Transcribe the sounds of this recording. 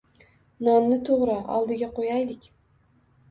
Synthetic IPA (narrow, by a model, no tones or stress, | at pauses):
nɒnːɪt̪ʰoʁɾɨɒ̰lˠd̪ɪɡʲaqʰojajlɪkʲ